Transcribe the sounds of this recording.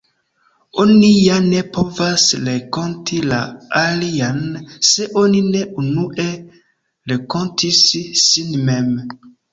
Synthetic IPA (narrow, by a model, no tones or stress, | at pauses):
onijane̞povasɾekontʰila̰alianseʔonineunuʔe | ɾekontʰisːinmem